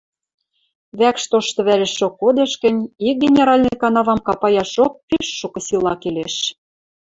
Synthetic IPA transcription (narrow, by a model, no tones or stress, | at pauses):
βækʃt̪oʃt̪ɤ̆βælɘ̆ʃokːod̪ĕʃkɘ̆nʲik̚ɡʲenʲeɾɑlʲnɤ̆kɑnɑβɑmkɑpɑjɑʃok̚pyʃːukɤ̆silɑkeleʃ